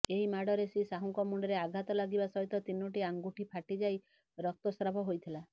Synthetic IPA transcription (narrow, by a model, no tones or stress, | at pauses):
eɦimaɽɔɾesisaɦuŋkɔmuɳɖɔɾeaɡʱat̪ɔlaɡibasɔɦit̪ɔt̪inoʈiaŋɡuʈʰipʰaʈid͡ʒaj | ɾɔk̚t̪ɔsɾabʱɔɦojt̪ʰila